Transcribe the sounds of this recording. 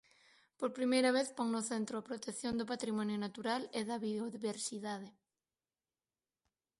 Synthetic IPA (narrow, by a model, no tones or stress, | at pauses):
poɾpɾimejɾaβ̞eθpoŋnʊθent̪ɾoapɾot̪ekθjond̪ʊpat̪ɾimɔ̃njonat̪uɾalɪðɐβioðiβeɾsiðaðe